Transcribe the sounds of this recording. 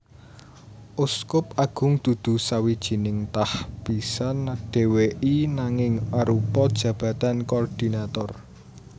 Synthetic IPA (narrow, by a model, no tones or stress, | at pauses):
ʔʊskʊpaɡ̥ʊ̤ŋd̪̥ṳd̪̥ṳsawid̥ʒ̥i̤nɪŋt̪ahb̥i̤sanaɖ̥e̤weʔinaŋɪŋaɾupɔd̥ʒ̥ä̤b̥ä̤t̪ankɔrd̪̥i̤nat̪ɔr